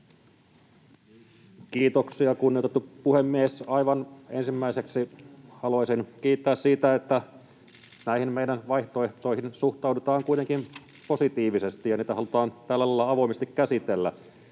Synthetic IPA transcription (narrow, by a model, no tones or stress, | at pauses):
kiːt̪oksiɑkunːiot̪et̪ːupuhemːiesɑiʋɑnensimːæiseksihɑluɑisinkiːt̪ːæːssiːt̪æet̪ːæ | næihimmeidænʋɑiht̪oeht̪o̞ihinsuht̪ɑwdut̪ɑːŋkuit̪eŋkin | po̞sit̪iːʋisest̪ijɑniːt̪æhɑlut̪ɑːnt̪ælːælɑlːɑɑʋoimest̪ikkæsit̪elːæ̰